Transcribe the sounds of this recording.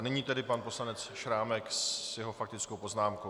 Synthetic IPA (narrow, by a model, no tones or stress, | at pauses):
nɛɲiːt̪ɛdɪpanpo̞slanɛt͡sʃɾaːmɛksjɛɦofak̚t̪ɪt͡skowpo̞znaːmko